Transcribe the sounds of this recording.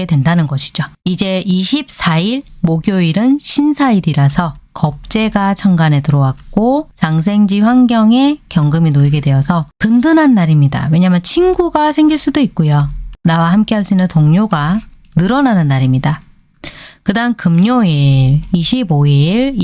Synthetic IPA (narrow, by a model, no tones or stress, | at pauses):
e̞dwe̞ndanɯnɡʌɕʰi̥d͡ʑoid͡ʑe̞iɕʰip̚s͈ʰaiɾmoɡjoiɾɯnɕʰinsʰaiɾiɾasʰʌkʌp̚t͡ɕ͈e̞ɡat͡ɕʰʌŋɡane̞tɯɾʌwak̚k͈ot͡ɕaŋs̬ʰe̞ŋd͡ʑiɸwaŋɡjʌŋe̞kjʌŋɡɯminoiɡe̞dwe̞ʌsʰʌtɯndɯnɦanːaɾimɲida̰we̞ɲaːmjʌnt͡ɕʰinɡuɡasʰe̞ŋɡiɭs͈udoik̚k͈ojonawahamk͈e̞ɦaɭs͈uinːɯntoŋɲoɡa | nɯɾʌnanɯnːaɾimɲida | kɯdaŋkɯmɲoiɭiɕʰiboiɭ